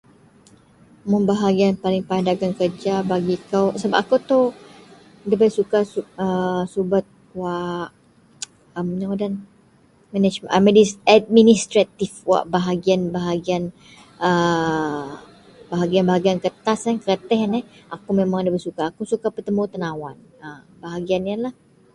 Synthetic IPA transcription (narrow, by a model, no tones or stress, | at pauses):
mənbaɦaɡianpalɪŋpandaɡankərd͡ʒabaɡikawsəbap̚akawt̪ɔ | dəbəjsukasuəsubat̪̚ | waʔ | əmnaŋadan | mɛnɛd͡ʒməaminisad̚minist̪ɾat̪ifwa̰ʔbaɦaɡianbaɦaɡian | ə | baɦaɡianbaɦaɡiankət̪asankəət̪ɛɦnɛhʔakumemaŋdəbəsukaːkusukapət̪əmut̪ənawan | ə | baɦaɡianjalah